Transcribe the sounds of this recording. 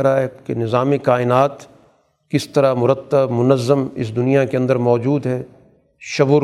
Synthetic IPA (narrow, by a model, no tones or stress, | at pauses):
ɐɾaɦɛkenɪzaːmikaːɪnaːt̪ | kɪst̪ɐɾamʊɾət̪ːəbmʊnəzːəmɪ̰s̬d̪ʊnijakeɐ̃nd̪əɾmɔːd͡ʒuːd̪ɦɛː | ʃɐbʊɾ